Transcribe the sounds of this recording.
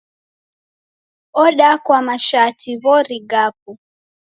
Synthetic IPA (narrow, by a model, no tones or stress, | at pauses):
ɔɗakwamaʃatʰiβɔɾiɡap̚u